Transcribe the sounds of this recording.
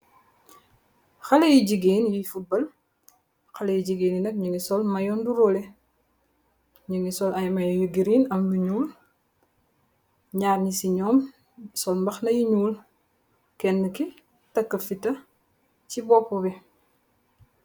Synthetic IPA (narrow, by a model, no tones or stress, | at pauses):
xɐlejiɟiɡeːnjifubɐl | xɐlejiɟiɡeːninɐk̚ɲəŋisɔlmɐjɔnduɾɔlɛ | ɲəŋisɔlɐjmɐjɔjuɡiɾiːnɐmluɲuːl | ɲaːrɲisiɲɔːm | sɔlmbɐxnɐjiɲuːl | kɛnːəki | tɐkːəfitɐ | cibɔːpːɔbɛ